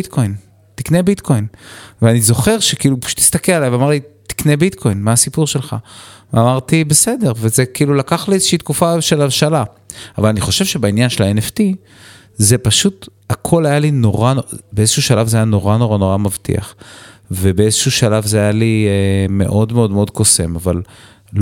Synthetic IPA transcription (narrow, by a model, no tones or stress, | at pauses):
it̪kʰo̞jn | t̪iknebit̪kʰo̞jnveanizo̞χe̞ʁʃe̞kiːlupḁʃu̥t̪ːi̥st̪akelalajvamaʁlit̪i̥knebit̪kʰo̞jnmaːsipuʁʃelχa̰veamaʁt̪ibe̞se̞d̪e̞ʁvezekiːlulakaχliezeʃiːt̪kufaʃe̞laʃala | avalaniχo̞ʃe̞vʃebainjanʃelaeneft̪i | ze̞paʃut̪ | akʰo̞lajalino̞ʁanobeezeʃuːʃalavzeajano̞ʁano̞ʁano̞ʁamavt̪ḭa̰χve̞beezeʃuːʃalavzeajalieme̞̰ʔo̞dmeo̞d̪meo̞dko̞se̞maval